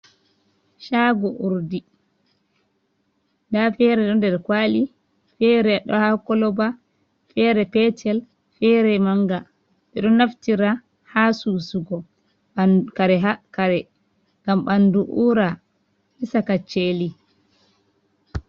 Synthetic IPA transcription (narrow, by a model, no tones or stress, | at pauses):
ʃaːɡɔʔuɾdi | ndafɛɾɛɗɔndɛɾkwali | fɛɾɛɗɔ̰hakɔlɔba | fɛɾɛpɛtʰɛl | fɛɾɛmaŋɡa | ɓɛɗɔnaftiɾa | hasusuɡɔ | kaɾɛɦakaɾɛ | ŋɡamɓanduʔuɾa | hisakat͡ʃːeli